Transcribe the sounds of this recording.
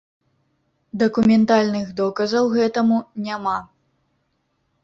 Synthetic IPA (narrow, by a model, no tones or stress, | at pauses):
d̪ɐkumʲɛnt̪alʲnɨɣd̪ɔkɐzɐwɣɛt̪ɐmunʲama